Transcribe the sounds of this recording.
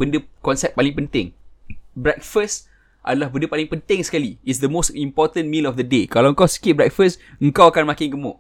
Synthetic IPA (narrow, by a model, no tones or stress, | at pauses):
bəndəkɔnsɛp̚pːalɪŋpənt̪ɪ̃ŋbɾɛk̚fəs | ʔa̰dalahbəndəpalɪŋpənt̪ɪŋsə̥kaliits̬d̪əmostimpɔt̪ə̃nmĩlɔfd̪ədekalawəŋkawsə̥kit̪̚bɹɾɛk̚fəsəŋkawakanmãkɪŋɡəmʊʔ